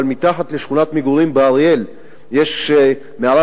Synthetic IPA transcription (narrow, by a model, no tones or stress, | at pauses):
lmit̪aχat̪leʃχunat̪miɡuɾimbeaʁijel | jeʃ | meala